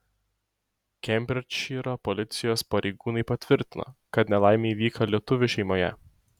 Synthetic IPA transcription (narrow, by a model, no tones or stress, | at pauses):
kʲɛmʲbʲɾʲɪt͡ʃiɾopɔlʲɪt̪sʲɪjoːspɐɾʲɛɪɡuːnɐɪpɐt̪ʲʋʲɪɾʲt̪ʲɪno̰ːkɐt̪nʲɛlˠɑˑɪmʲeiʋʲiːkɐlʲiɛt̪ʊʋʲʊʃʲɛɪmoːjɛ̰